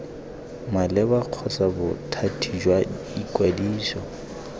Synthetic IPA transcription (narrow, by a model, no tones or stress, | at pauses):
malɛbaq͡χʰɔsabʊtʰatʰid͡ʒwa | ikʼwadiːsɔ